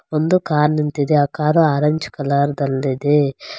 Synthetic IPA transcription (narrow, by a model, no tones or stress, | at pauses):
ond̪ukaːɾnint̪id̪eakaːɾuaːɾɐɲt͡ʃkɐlaːɾd̪ɐlːid̪e